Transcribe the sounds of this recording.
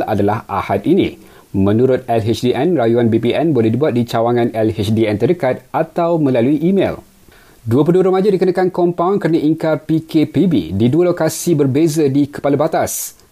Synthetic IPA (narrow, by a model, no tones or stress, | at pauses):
a̰dalahʔa̰hat̪̚inḭ̃ | mə̃nũɾʊt̪̚ɛlɦet͡ʃdiʔɛnrajuanbipiʔɛnbolɛhdibuat̪̚dit͡ʃawaŋãnɛlhet͡ʃdiɛnt̪ərdəkat̪̚ʔat̪awmə̃laluiʔːmḛl | duəpulduəɾəmad͡ʒadikənakankɔmpawnkəɾanaʔiŋkarpikʰepibḭdiduəlokasibərbezədikə̥palabat̪as